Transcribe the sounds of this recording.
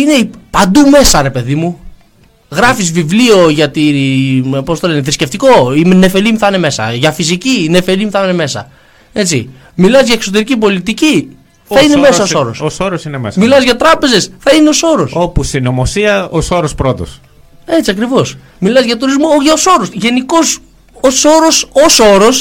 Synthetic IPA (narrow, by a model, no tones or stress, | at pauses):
ine̞ipɐnd̪ume̞sɐɾe̞pe̞ðimu | ɣɾɐfizvivlio̞ʝɐt̪i | po̞st̪oleneθɾisce̞ft̪iko̞imne̞fe̞limθɐne̞me̞sɐ̰ʝɐfisicine̞fe̞limiθne̞me̞sɐ̰ | e̞t͡s̪i | milɐzʝɐekso̞t̪̬e̞ɾicipo̞lit̪ici | θɐine̞me̞sɐoso̞ɾo̰sosoɾosinemesmilɐzʝɐt̪ɾɐpe̞ze̞sθɐineo̞so̞ɾo̞sopusinomosiɐosoɾospɾot̪o̰s | e̞t͡siɐkɾivo̞s | milɐzʝɐt̪uɾizmoʝɐoso̞ɾosʝe̞niko̞s | oso̞ɾo̞soso̞ɾo̞s